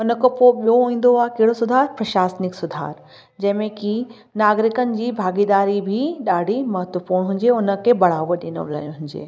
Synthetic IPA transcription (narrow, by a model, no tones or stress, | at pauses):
ʊnə̆kepoːɓijoɦũːn̆d̪oaːkɐɦɪɽosʊd̪ʱaːɾpɾɐʃaːsnɪksʊd̪ʱa̰ːɾ | d͡ʑɐ̃ɦɪ̃mẽki | naːɡɾɪkənɪ̆d͡ʑiːbʱaːɡid̪aːɾibʱiɗaːɖ̤ʱimɐɦət̪ʋəpuːɾɽ̃ɦʊ̃ɲd͡ʑeʊnə̆kʰebɐɽ̤aːʋoɗɪno̰lə̰ɦʊ̃ɲd͡ʑḛː